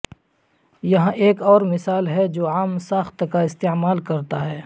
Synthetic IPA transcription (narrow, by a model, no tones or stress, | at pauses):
jɐɦãʔeːkɔːɾmɪsaːlɦɛd͡ʒoːaːmsaːxt̪kaɪst̪eːmaːlkɐɾt̪aɦɛː